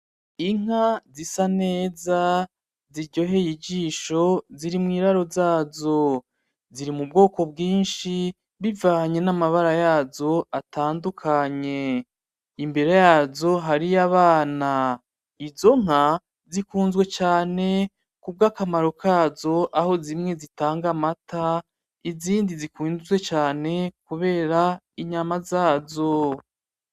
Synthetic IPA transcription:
iŋ̥azisane̞ːza | ziɾɟo̞ɦe̞jiɟiːʃo̞ziɾimŋiːɾaɾo̞zaːzo̞ | ziɾimub̚ɡo̞ːko̞bɡiːnʃi | βivaːɲe̞namaβaɾajaːzo̞ataːndukʰaɲe̞ | imbe̞ɾejaːzo̞ɦaɾiaβaːna | izo̞ŋ̥a | zikuːnzɡwe̞t͡ʃaːne̞ | kub̚ɡaːkamaɾo̞kʰaːzo̞ʔaho̞zimŋe̞zitaːŋɡamatʰa | iziːndizikuːnzwe̞t͡ʃaːne̞kuβe̞ːɾa | iɲamazaːzo̞

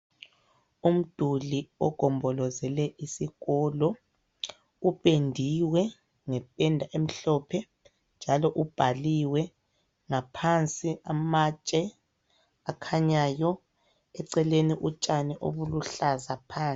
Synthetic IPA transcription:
um̩d̥ʱuliɔɡ̥ʱɔmbʱɔlɔzɛlɛʔisiɣɔlɔ | upʼendʱiwɛ | ŋɛpʼɛndʱaʔem̩ɬɔpʰɛ | nd͡ʒʱalɔʔub̥ʱaliwɛ | ŋapʰant͡sʼiamat͡ʃʼɛ | akʰaɲajɔ | ɛǀɛleniʔut͡ʃʼanɛʔo̰βuluɬazapʰaːnt͡sʼ

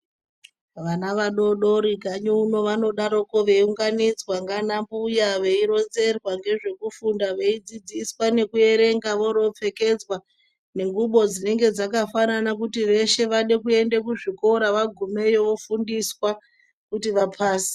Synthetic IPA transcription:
ʋanaʋaɗo̞ɗo̞ɾikaɲuuno̞ʋano̞ɗaɾo̞ko̞ʋe̞uŋɡanid͡zwaŋɡanambujaʋe̞iɾo̞nze̞rwaŋɡe̞ʐe̞kufundaʋe̞id͡zid͡ziswane̞kue̞ɾe̞ŋɡaʋo̞ɾo̞p͡fe̞ke̞d͡zwa | ne̞ŋɡuɓo̞d͡zine̞ŋɡe̞d͡zakafananak̬utiʋe̞ʃe̞ʋaɗe̞kue̞ndekuʐiko̞ɾaʋaɡʱume̞joʋo̞fundiswa | kutiʋapʰaːsi̥

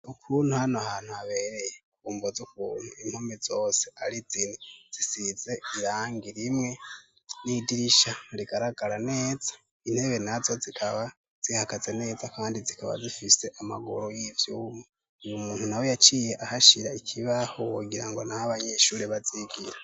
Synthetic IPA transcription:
ukʰuːn̥huhanoahaːn̥huaβe̞ːɾejekuːmbozukuːn̥huiŋhomizo̞ːseaɾiziniz̥isize̞iɾaːŋɡiɾimŋe̞ | nidiɾiʃaɾiɡaɾaɡ̥aɾane̞ːz̥ḁ | in̥he̞βe̞nazo̞zikʰaβa | z̥ihakazene̞ːzakaːndizikaβa̰zifise̞ʔama̰ɡo̰ɾojivjumo | numuːnhunawo̞jat͡ʃiːje̞ʔahaʃiɾaikʰiβahowoɡiɾaŋɡo̞nahaβaɲeʃuːɾeβaziɡiɾa

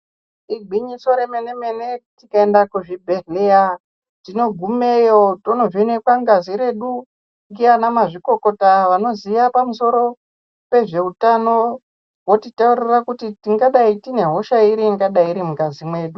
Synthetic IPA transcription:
iɡʱiɲiso̞ɾemene̞me̞ne̞tikaendakuʐibʱe̞ɦeja | tino̞ɡʱumejotono̞ʐine̞kwaŋɡaziɾe̞ɗu | ŋɡianamaʐiko̞ko̞taʋano̞ziʋapamuso̞ɾo̞ | pe̞ʐe̞utano̞ | wotitauɾirakutitiŋɡaɗaitine̞ɦo̞ʃaiɾiːŋɡaɗaiɾimuɡazimwe̞ːɗu

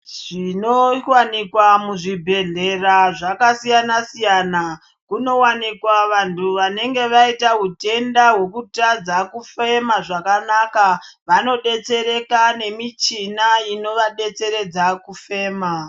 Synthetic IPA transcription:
ʐ̥inowanikwamuʐibʱe̞ɮe̞raʐakasijanasijaːna | kuno̞wanikwaʋantʰuʋane̞ŋɡe̞ʋaitaɦute̞ndaɦwe̞kutad͡zakufe̞maʐakanakaʋano̞ɗe̞t͡se̞ɾe̞kane̞mit͡ʃinaino̞ʋaɗe̞t͡se̞ɾe̞d͡zakufe̞ːma

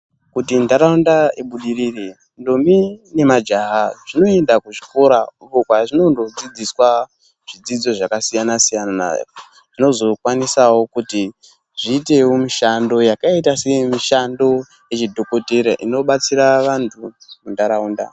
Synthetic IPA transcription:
kutindaɾaundaiɓuɗiɾire | ndomine̞mad͡ʒaɦaʐ̥ino̞e̞ndakuʐiko̞ɾaukokwaʐino̞ndo̞d͡zid͡ziswa | ʐ̥id͡zid͡zo̞ʐakasijanasijanana̰ | ʐ̥ino̞zo̞kwanisawo̞kuti | ʐiːte̞womiʃando̞jakaitasemiʃando̞ | jet͡ʃidʱoko̞teɾa̰ʔino̞ɓat͡siɾaʋantʰu | mundaɾauːnda̰

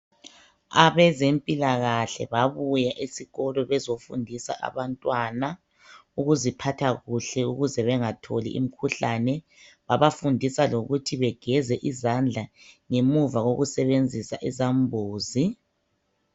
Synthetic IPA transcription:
aβɛzempʼilaɣaɬɛ̰βaβujaʔisiɣɔlɔβɛzofundʱisa̰ʔa̰βantʼwana | uɣuzipʰatʰaɣuɬɛuɣuzɛβɛŋatʰolḭʔḭm̩kʰuɬanɛ | βaβafundʱisaloɣutʰiβɛɡ̥ʱɛzɛʔizand͡ɮʱa | ŋemuvaɣoɣusɛβend͡zʱisaʔizambʱoːzi

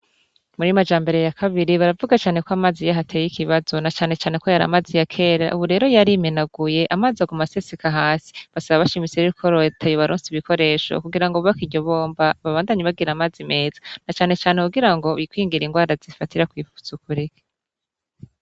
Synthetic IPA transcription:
muɾimad͡ʒaːmbe̞ɾe̞jakʰaβiɾiβaɾavuɡat͡ʃaːne̞koamaːzijaɦatʰejikiβazo̞nat͡ʃaːne̞t͡ʃaːne̞kojaɾa̰mazijakʰeːɾa̰ʔuβuɾe̞ːɾo̞jaɾimenaɡ̥uje̞ʔamazaɡumasesikaɦaːsi̥βasaβaβaʃimit͡seɾiɾikʰo̞ɾotʰejoβaɾuːnsiβiko̞ɾe̞ːʃo̰kuɡiɾaŋɡoβakiɟo̞βo̞ːmbaβaβaːndaɲiβaɡiɾamaːzime̞ːzḁnat͡ʃaːne̞t͡ʃaːnekuɡiɾaŋɡo̞βikwiːŋɡiɾiŋɡwaːɾazifatiɾakwiːfu̥t͡sukuɾike̥

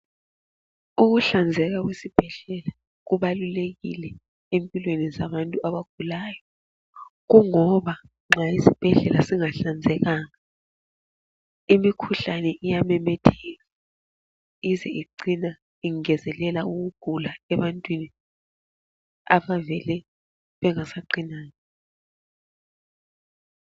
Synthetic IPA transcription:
uɣuɬand͡zʱɛɣ̬aɣwesib̥ʱɛɮɛla | ɣuβaluleɣḭlɛ | empʼilwenizaβantʼuaβaɡ̥ʱulaːjɔ | ɣuŋɔβa | ŋ͡ǁaisib̥ʱɛɮɛlasiŋaɬand͡zʱɛɣaːŋa | imikʰuɬanɛʔijamɛmɛtʰɛːɣa | izɛiǀina | iŋɛzɛlɛlauɣuɡ̥ʱulaɛβantʼwini | a̰βavɛlɛ | βɛŋasaǃinaːŋa

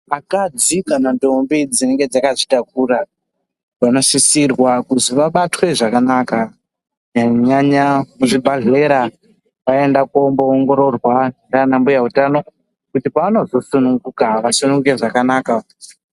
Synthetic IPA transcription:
akad͡zikanandombid͡zine̞ŋɡe̞d͡zakaʐitak̚ura | ʋano̞ʂisirwakuziʋaɓatwe̞ʐakanaka | ɲaɲaɲamuʐibʱaɮeɾa | ʋae̞ndakomboːŋɡo̞ɾo̞rwandanambujautano̞ | kutipaano̞zo̞sunuŋɡukaʋasunuŋɡuke̞ʐakanaːka

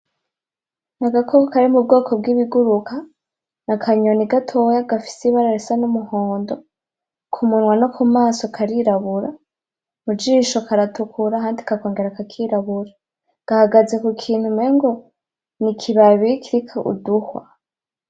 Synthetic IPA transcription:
naɡakʰokokaɾimub̚ɡo̞ːkʰo̞bɡiːβiɡuɾukʰa | nakʰaɲoniɡatʰojaɡafi̥siβaɾaɾisanumuhoːndo | kʰumunwanokʰumaːsokʰaɾiɾaβuɾa | mud͡ʒiːʃokaɾatukʰuɾaɦaːndikako̞ːŋɡeɾakakʰiɾaβuɾa | ɡ̥ahaɡaze̞kukʰiːn̥humeŋɡo̞ | nikʰiβaβikʰiɾikʰaʔṵduhwa̰

